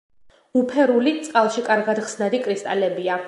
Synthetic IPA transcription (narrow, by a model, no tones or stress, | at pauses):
upʰɛɾulit̪sʼqʼalˠʃikʼaɾɡad̪χsnad̪ikʼɾist̪ʼalɛbia